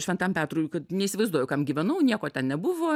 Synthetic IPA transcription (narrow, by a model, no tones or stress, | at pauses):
ʃʲʋʲɛnt̪ɐmpʲæːt̪ruːjkɐt̪nʲɛisʲɪʋɐɪzd̪uɔjɛʊkɐmɡʲiʋʲɛnɐʊnʲiɛkoːtʲɛnnʲɛbʊʋoː